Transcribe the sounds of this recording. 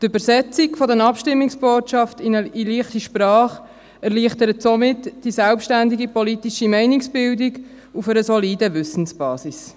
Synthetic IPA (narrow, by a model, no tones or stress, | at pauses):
t̪ʏbəɾsɛt͡sikfɔdənɑpʃtɪmːɪksb̥oːtʃɑftɪnəiliːχtiʃpɾɑːχ | ɛʁliːχtəɾətsomɪtd̥isɛlpʃtændiɡipɔlitiʃimɛɪnɪksb̥ɪldiɡ | ufəɾəsɔliːdəvʏsən̩sb̥ɑ̰ːsis